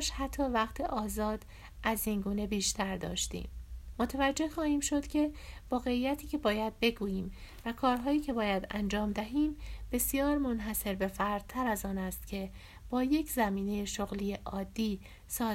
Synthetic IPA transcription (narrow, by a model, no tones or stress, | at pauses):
ʃhæt̪ʰːɒːvæqt̪ʰeʔɒːzɒːd̪̥ | ʔæziːnɡuːne̞biːʃt̪ʰæɾd̪ɒ̰ːʃt̪ḭːmːot̪ʰævæd͡ʒːe̞hxɒːhiːmʃo̞d̪̥cʰʲe̞vɒːɣe̞ijæt̪ʰiːcʲʰe̞bɒːjæd̪̚be̞ɡuːjiːm | vækʰɒːɾɦɒːiːcʰe̞bɒːjæd̪æ̰nd͡ʒɒːmd̪æɦiːmb̥e̞sjɒːɾmo̞nɦæse̞ɾbe̞fæɾd̪̥̚t̪ʰːæɾæzɒːnæst̪cʰe̞ | b̥ɒːje̞cʰzæmiːne̞jeʃoɣliːjeʔɒːd̪ːiː | sɒː